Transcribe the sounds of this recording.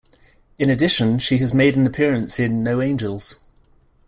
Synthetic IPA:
ɪ̃nədɪʃə̃nʃiəzmeɪdə̃nəpʰɪəɹə̃nsɪ̃nːəʊẽɪ̃nd͡ʒəlˠz̥

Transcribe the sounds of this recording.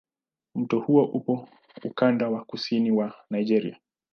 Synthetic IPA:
m̩tɔhuɔʔupɔ | ukandawakusiniwanaid͡ʒɛɾḭa

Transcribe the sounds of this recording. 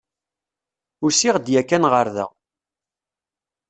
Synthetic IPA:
ʊɾsiʁd̪jækːænʁəɾðə̰

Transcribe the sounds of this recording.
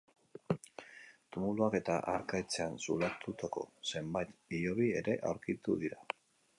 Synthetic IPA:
t̪umuluake̞t̪a̰ʔaɾkajt͡se̞ansulat̪ut̪ako̞̰se̞mbajt̪io̞βie̞ɾe̞ʔawɾkit̪uðiɾa

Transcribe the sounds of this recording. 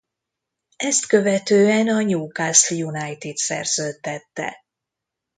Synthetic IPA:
ɛst̪kø̞vɛt̪øːɛnɒɲuːkasljunajt̪it̪sɛ̰rz̥øːt̪ːɛt̪ːɛ̰

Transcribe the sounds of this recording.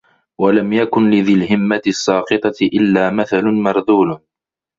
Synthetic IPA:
walamjakʊnlɪðɪlɦɪmːat̪ɪsˤːɑːqɨt̪ˤɑɪʔɪlːaːmaθalʊnmɑɾˤd̪uːl

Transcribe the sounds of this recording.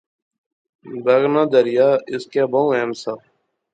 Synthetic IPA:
b̪əɡnãːd̪əɾɪjaːɪskjaːbaũːɛːmsaː

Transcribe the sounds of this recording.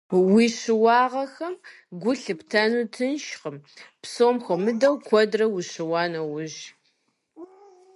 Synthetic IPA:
wiːɕɪwɑːʁɐxɐm | ɡʷʊɬɨptʰɐnuːtʰɨnʃχəmpsoːmxʷɐmɨdɐwkʷʰɔdrɐwiɕɪwɑːnɐwʊʑ

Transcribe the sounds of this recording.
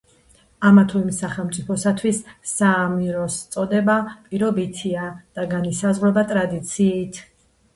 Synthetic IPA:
amat̪ʰuimsaχɛlˠmt̪sʼipʰɔsat̪ʰwisːaːmiɾɔst̪sʼɔd̪ɛbapʼiɾɔbit̪ʰiad̪̥aɡanisazʁɾɛbat̪ʼɾad̪it̪sʰiːt̪ʰ

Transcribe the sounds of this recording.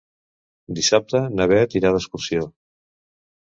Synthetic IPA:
d̪isap̚t̪ənəβɛt̪iɾaðəskuɾsio

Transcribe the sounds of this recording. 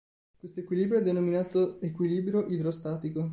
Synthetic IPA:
kwest̪oekwiliːbɾjoɛd̪ːenominaːt̪oekwiliːbɾjoʔid̪ɾost̪aːt̪iko

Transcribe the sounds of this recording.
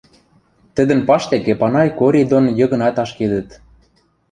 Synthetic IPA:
t̪ə̆d̪ə̆npɑʃt̪ekepɑnɑjkoɾʲid̪onjɤ̆ɣɤ̆nɑt̪ɑʃked̪ə̆t̪

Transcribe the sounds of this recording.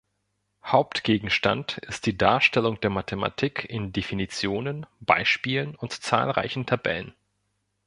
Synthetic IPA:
haʊptɡ̥eːɡŋ̩ʃtantɪst̚d̥iːdaːɐʃtɛlʊŋd̥eːɐmatʰema̰tʰiːkʰɪndefinit͡sjoːnənb̥a̰ɪʃpiːlənʊntt͡sa̰ːlʁa̰ɪçn̩tʰabɛ̰lən

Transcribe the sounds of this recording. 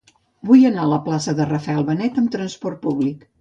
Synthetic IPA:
bujənaələplasəðərəfəɛlˠβənɛt̪əmt̪ɾənspɔrt̪̚puβlik

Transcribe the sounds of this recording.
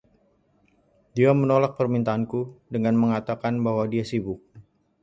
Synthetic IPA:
diamənolak̚pərmint̪aːnkudəŋanməŋat̪akanbaɦwadiasibʊk̚

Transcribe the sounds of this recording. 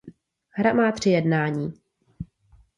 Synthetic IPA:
ɦɾamaːt̪r̝̥ɪjɛdnaːɲiː

